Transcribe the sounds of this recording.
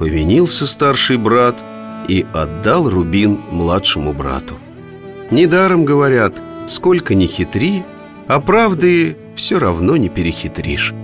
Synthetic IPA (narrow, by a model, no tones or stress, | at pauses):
pəvʲɪnʲilˠsʲəst̪arʂɨjbɾat̪ | iɐd̪ːalˠrʊbʲinmlˠatʂɨmʊbɾa̰t̪ʊ | nʲɪd̪aɾəmɡəvɐɾʲat̪sko̞lʲkənʲɪxʲɪt̪ɾʲi | ɐpɾavd̪ɨɪ | fsʲoɾɐvno̞nʲɪpʲɪɾʲɪxʲɪt̪ɾʲḭʂ